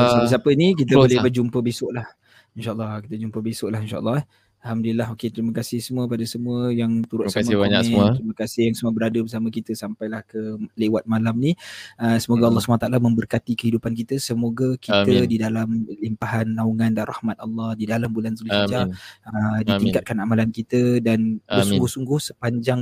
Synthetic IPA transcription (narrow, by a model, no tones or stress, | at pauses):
apəsapənik̬it̪̬əbolebərd͡ʒumpəbesʊʔlah | inʃaʔəlːɑhkit̪əd͡ʒumpəbesʊʔlaɦinʃa̰ʔə̰lːɑh | alhamdulilːaɦoket̪ɾiməkasɪhsəmuəpadasəmuəjaŋt̪uɾʊt̪samaat̪ɾiməkasɪhjaŋsəmuəbəɾadəbəs̬aməkit̪əsampajlahkəlewat̪̚malamniəsəmoɡaɑlːɑhsəmãat̪aʔalamə̃mbərkat̪ikəhidupankit̪əsəmoɡakit̪ədidalamlimpaɦanːauŋãndanrʔɑ̰hmat̪̚ɑlːɑhdidalambulansuluid͡ʒaədiiŋkat̪̚kanamalankit̪ədanbəsuŋɡʊhsuŋɡʊhsəpaɲd͡ʒaŋ